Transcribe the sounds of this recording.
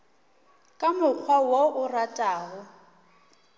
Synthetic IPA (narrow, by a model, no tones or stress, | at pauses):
kʼamʊk͡xʰwawoʊratʼaːɣʊ